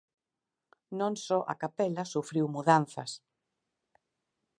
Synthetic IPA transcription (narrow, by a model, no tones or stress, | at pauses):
nõŋsɔʔɐ̰kapɛlɐsufɾiwmuðanθɐ̰s